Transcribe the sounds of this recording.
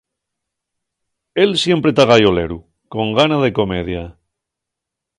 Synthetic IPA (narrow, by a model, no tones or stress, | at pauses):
e̞lsje̞mpɾe̞t̪aɣajo̞leɾu | ko̞ŋɡanað̞e̞ko̞me̞ð̞ja